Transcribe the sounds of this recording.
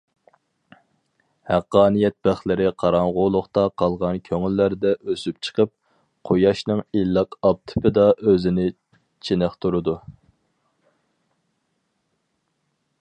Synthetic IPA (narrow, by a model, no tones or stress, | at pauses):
hæqːɑːnijɛt̪̚b̥æχlɪɾɪqʰɑɾɑɴʁʊlˠʊχt̪ɑqʰɑlˠʁɑnkʲʰøŋylːæɾd̪ɛʔøsyp̚t͡ʃʰə̥qəp̚ | qʰojɑʃnɨŋilːɑqɑp̚t̪ʰɪ̥pʰɪd̪ɑʔøzɪnɪ | t͡ʃʰenɪχt̪ʰuɾɨd̪u